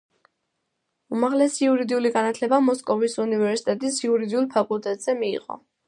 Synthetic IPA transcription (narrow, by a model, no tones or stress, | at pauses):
umaʁlɛsiuɾid̪iuliɡanat̪ʰlɛbamɔskʼɔvisunivɛɾsi̥t̪ʼɛt̪ʼisiuɾid̪iulˠpʰakʼulˠt̪ʼɛt̪ʼz̥ɛmḭːʁʼɔ̰